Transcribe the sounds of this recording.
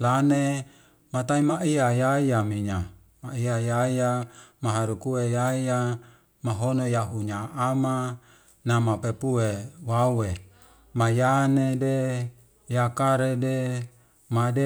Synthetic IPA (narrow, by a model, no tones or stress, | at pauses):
lane | mat̪aimaʔiajajamiɲa | maiajaijamaɦaɾukuejaija | maɦonojaɦuɲaːma | namapepuewauwe | majanede | jakaɾede | made